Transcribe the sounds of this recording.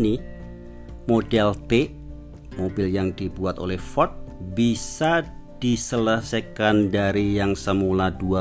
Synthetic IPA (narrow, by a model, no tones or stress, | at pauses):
ni | modɛlt̪e | mobiljaŋdibuat̪o̰lɛhfɔt̪̚bisa | d̥isələsajkandaɾijaŋsəmuladua